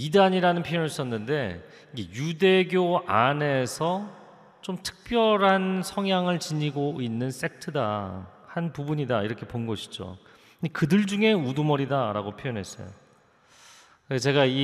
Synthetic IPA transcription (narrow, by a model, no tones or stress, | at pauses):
idaɲiɾanɯnpʰjijʌniɭs͈ʌnːɯnde̞ | iɡejude̞ɡjoane̞sʰʌ | t͡ɕomtʰɯ̥k̚p͈jʌɾɦansʰʌŋjaŋɯɭt͡ɕiɲiɡoinːɯns͈e̞k̚tʰɯda | hanpubuɲidaiɾʌkʰe̞ponɡʌɕʰi̥d͡ʑo̰ | kɯdɯɭd͡ʑuŋe̞udumʌɾidaɾa̰ɡopʰjojʌnɦe̞s͈ʌ̰jo̰ | t͡ɕe̞ɡai